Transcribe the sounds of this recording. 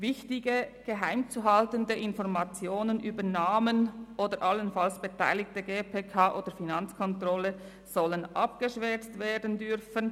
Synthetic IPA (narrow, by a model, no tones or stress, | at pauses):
vɪçtɪɡəɡ̥əɦaɪmt͡suɦɑltəndəʔɪnfɔʁmat͡sjoːnənʔyːbənaːmənʔoːdəɾʔɑlənfalsb̥etʰa̰ɪlɪk̚təɡeːpʰeːkʰaːʔoːd̥əfinɑnt͡skʰɔntrɔlə | z̥ɔlənʔɑ̰pɡ̥əʃvɛt͡stveːdən̩dʏɾfən